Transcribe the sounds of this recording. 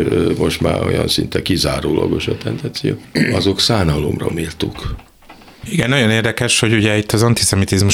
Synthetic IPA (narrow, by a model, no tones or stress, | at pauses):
mo̞ʃt̪maːɾo̞̰jɒ̰nsint̪ɛkizaːɾoːlʔɒɡo̞ʃɒt̪ɛnd̪ɛnsijo̰ːɒzo̞ksaːnɒlomrɒ̰miːlt̪uk | iɡɛnːɒjo̞neːrd̪ɛkɛʃho̞ɟuɟɛit̪ːɒzɒnt̪isɛmit̪izmuʃ